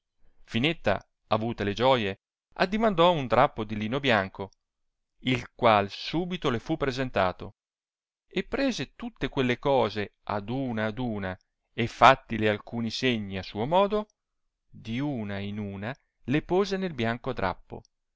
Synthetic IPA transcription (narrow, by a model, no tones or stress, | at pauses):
finet̪ːa̰ | avuːt̪eled͡ʒɔːje | a̰d̪ːimand̪ɔund̪ɾapːod̪iliːnobjaŋko | ilkwalsuːbit̪olefupːɾezent̪a̰ːt̪o | epːɾeːzet̪ut̪ːekwelːekɔːzea̰d̪uːnaːd̪uːna | efːat̪ːilealkuːniseɲːiasuːomɔːd̪o | d̪iuːnainuːna | lepoːzenelbjaŋkod̪ɾʔa̰pːo̰